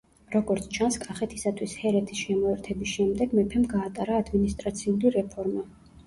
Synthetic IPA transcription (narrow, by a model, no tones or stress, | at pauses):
ɾɔɡɔɾt̪sʰt͡ʃʰanskʼaχɛt̪ʰisat̪ʰwishɛɾɛt̪ʰisʃɛmɔɛɾt̪ʰɛbisʃɛmd̪ɛɡmɛpʰɛmɡaːt̪ʼaɾaːd̪minist̪ʼɾat̪sʰiuliɾɛpʰɔɾma